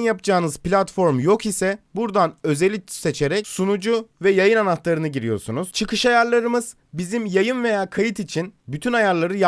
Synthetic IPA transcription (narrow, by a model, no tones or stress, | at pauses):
njap̚d͡ʒaːɯnɯz̥plʲat̪fo̞ɾmjo̞kisɛbuɾd̪anø̞zelʲise̞t͡ʃʰeɾɛcsunud͡ʒuvɛjajɯnanat̪lˠaɾɯnɯɟiɾijo̞̰ɾsunuz̥t͡ʃʰɯkʰɯʃajaɾlˠaɾɯmɯz̥ | bizimjajɯnve̞jaːkʰajɯt̪it͡ʃʰinbyt̪ʰynajaɾlˠaɾɯj